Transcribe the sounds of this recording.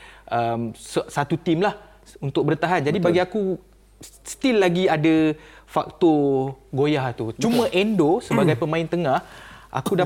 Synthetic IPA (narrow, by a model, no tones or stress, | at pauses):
ʔəmsəsat̪ut̪imlah | unt̪ʊk̚bəɾənt̪aɦand͡ʒadibaɡiaku | st̪ilːaɡiadafa̰k̚t̪ɔɡojaht̪ut͡ʃumə̃ʔɛndosəbaɡajpəmãɪnt̪əŋahʔa̰kuda